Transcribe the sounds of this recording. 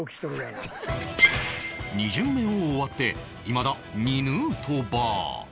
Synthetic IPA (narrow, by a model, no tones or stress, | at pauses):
ɲ̟iʑɨmːẽ̞oːβat̪ːe̞ | imad̪a | ɲinɯːt̪ʰoba̰ː